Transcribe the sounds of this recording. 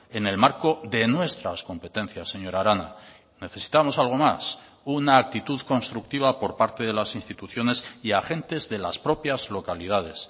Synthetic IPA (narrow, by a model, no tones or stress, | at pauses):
e̞ne̞lmaɾko̞ðe̞nwe̞st̪ɾasko̞mpe̞t̪ẽ̞n̟θjasːe̞ɲo̞ɾaɾana | ne̞θe̞si̥t̪amo̞salɣ̞o̞mas | unaːk̚t̪it̪uðko̞nst̪ɾuk̚t̪iβapo̞ɾpaɾt̪e̞ðe̞lasinst̪it̪uθjo̞ne̞siaxẽ̞nt̪e̞zðe̞laspɾo̞pjazlo̞kalið̞að̞e̞s